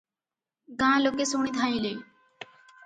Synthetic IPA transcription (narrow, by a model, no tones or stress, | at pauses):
ɡãːloːkeːsoːɳ̃iːt̪ʰãːĩːloiː